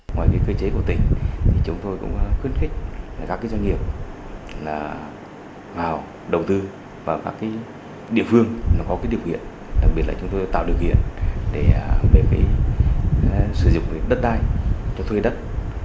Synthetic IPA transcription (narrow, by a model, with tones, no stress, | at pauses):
ŋwaː˨˩jvəː˨˦jkəː˧t͡ɕe˨˦ku˧˩ə˩t̪ï˨˩ŋ̟t̪ʰi˨˩t͡ɕʊ˨˦ŋ͡mt̪o˧jkʊ̰˧˥ŋ͡mxwi˧ənxï˦˥k̚laː˨˩kaː˦˥kːaː˨˦zaː˧ŋi˨˩əp̚laː˨˩ | vaː˨˩w | ɗə˨˩wŋ͡mt̪ɨ˧ | vaː˨˩wkaː˦˥kːaː˨˦j | ɗḭ˧˨əfɨ˧əŋaː˨˩˦kɔ˨˦kaː˨˦jɗi˧˩əwkḭ˧˨ən | ɗa̰˨˩k̚ɓi˨˩ət̚laː˨t͡ɕʊ˨˦ŋ͡mt̪o˧jt̪a̰ː˧˨wɗi˨˩əwkḭ˧˨ənɗe˧˩˨ɓe˨˩kaː˨˦j | sɨ˧˩zʊ̰˧˨ŋ͡mɗə˦˥t̚ɗaː˧jt͡ɕɔ˧t̪ʰwe˧jɗə˦˥t̚